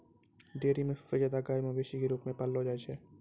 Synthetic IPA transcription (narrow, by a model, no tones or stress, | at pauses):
ɖeːɾimẽsfed͡ʒaːd̪aɡaːjmãbeːʃikeɾuːpmẽpəlːɦod͡ʒaːet͡ʃʰɛː